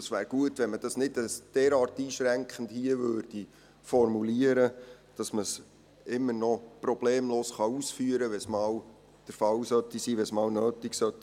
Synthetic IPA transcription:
ɑsʋæːɾɡ̥uətʋɛnməd̥ɑsnɪdəsd̥ɛːɾɑːɾtiːʃɾæŋkχən̩dhiəʋøːɾd̥i | fɔɾmuliəɾə | d̥ɑsməs | ɪmːənɔprɔb̥leːmloːsχɑuːsfyːəɾəʋɛsmɑːw | d̥əɾfɑwsœtisiːʋɛsmɑːwnøːtiksœtː

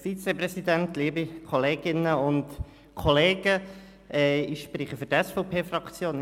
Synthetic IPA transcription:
fit͡seprɛsidɛnt̪liːbikʰɔleːɡɪnəʊnt | kʰɔleːɡ̥ə | ʔɛɪʃpɾiːχəfʏɾtɛsfɔʊpʰeːfrɑkt͡sjoːn

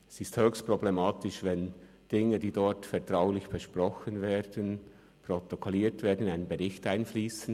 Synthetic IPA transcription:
ɛsɪsthøːçstpʁ̥oblemaːtɪʃvɛn | d̥ɪŋədiːdɔtfɛɐtʁ̥aʊlɪçb̥əʃprɔxənveːdən | pʁotokʰoliːtv̥eːɐdnaɪnənbəʁɪçtaɪnfliːsən̩

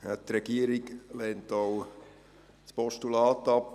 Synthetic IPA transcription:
ɛtɾɛɡ̥iəɾiɡlɛːntow | spɔʃtulɑːt̪ɑp

